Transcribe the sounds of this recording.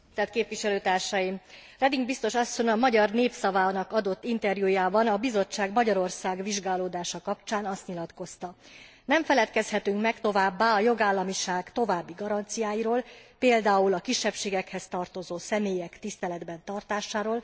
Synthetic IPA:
t̪ɛt̪keːpʋiʃɛløːt̪aːrʃɒjim | rɛd̪iŋɡbist̪o̞ʃɒsːo̞ɲɒmɒɟɒrneːpsɒvaːnɒkɒd̪o̞t̪ːint̪ɛrjujaːbɒnɒbizo̞t͡ʃːaːɡmɒɟɒɾo̞rsaːɡʋiʒɡaːloːd̪aːʃɒkɒpt͡ʃaːnɒst̪ɲilɒt̪ko̞st̪ɒ | nɛɱfɛlɛt̪kɛshɛt̪yŋkmɛkt̪o̞vaːbːaːɒjo̞ɡaːlːɒmiʃaːɡt̪o̞vaːbːiɡɒɾɒnt̪sijaːjiɾoːlpeːld̪aːulɒkiʃːɛpʃeːɡɛkhɛst̪ɒrt̪o̞zoːsɛmeːjɛkt̪ist̪ɛlɛd̪bɛnt̪ɒrt̪aːʃaːɾoːl

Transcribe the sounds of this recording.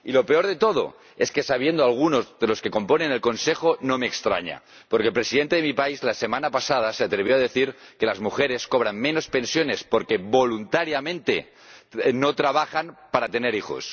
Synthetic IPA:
ilo̞pe̞o̞ɾðe̞t̪o̞ð̞o̞̰ | eske̞saβ̞je̞nd̪oalɣ̞uno̞zðelo̞ske̞ko̞mpo̞ne̞nelko̞nsexonomeːkst̪ɾa̰ɲa̰ | poɾkelpɾesiðe̞nt̪eemipaizlase̞manapasað̞aseat̪ɾeβ̞joað̞eθiɾke̞lazmuxeɾe̞sko̞β̞ɾanmẽ̞no̞spe̞nsjo̞ne̞spo̞ɾkeβo̞lunt̪aɾjamẽ̞nt̪e | no̞t̪ɾaβ̞axanpaɾat̪ene̞ɾixo̞̰s

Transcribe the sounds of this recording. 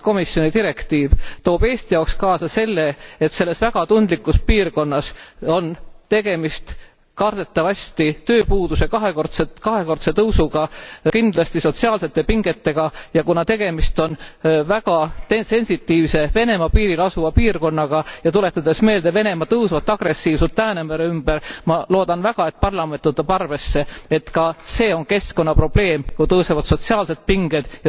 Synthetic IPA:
ko̞misjo̞nit̪iɾe̞kt̪iːvt̪o̞ːbe̞ːst̪ijɑkskɑːsɑse̞lːe̞et̪se̞lːe̞svæɡ̥ɑt̪und̪likːˑuspiːrko̞nːɑso̞nt̪e̞ɡ̥e̞mist̪ | kɑrd̪̥e̞t̪ːˑɑvɑsʲt̪it̪ø̞ːpuːd̪̥use̞kɑɦekort̪sekɑɦeko̞rt̪se̞t̪ɤwsuɡ̥ɑkind̪̥lɑst̪iso̞t̪siɑːlse̞t̪ːe̞piŋɡ̥e̞t̪ːe̞ɡ̥ɑjɑkunɑt̪e̞ɡ̥e̞mist̪o̞nvæɡ̥ɑt̪ese̞nʲsit̪ːiːvse̞ve̞ne̞mɑpiːɾilɑsuvɑpiːrko̞nːɑɡ̥ɑjɑt̪ule̞t̪ːˑɑd̪̥e̞sme̞ːld̪̥e̞vene̞mɑt̪ɤwsvɑt̪ːˑɑɡ̥re̞sːiːvsult̪ːæːnemeɾeymb̥eɾmɑlo̞ːd̪ɑnvæɡ̥ɑe̞t̪̚pɑrlɑment̪ːɤt̪ːˑɑb̥ɑrve̞sːe̞e̞t̪kɑse̞ːo̞nke̞sko̞nːɑpro̞b̥le̞ːmkut̪ɤːsevɑt̪so̞t̪siɑːlse̞d̪̥̚piŋɡed̪̥jɑ

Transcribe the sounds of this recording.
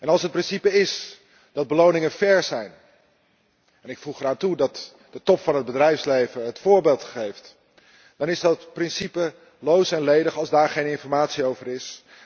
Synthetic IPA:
ʔɛnɑlˠsɦət̚prɪnsipəɪs | dɑd̚bəlownɪŋəfɛɹzɛjn | ɛnɪkfuχəraːntudɑt | d̥ətɔpfɑnɦəd̚bədrɛjfslejvəɦətfʊːɹbelˠtχejft | d̥ɑnɪzdɑtprɪnsipə | lowsɛnlejdəχɑlˠzdaːɹχejnɪnfɔɹmaːtsiowvərɪs

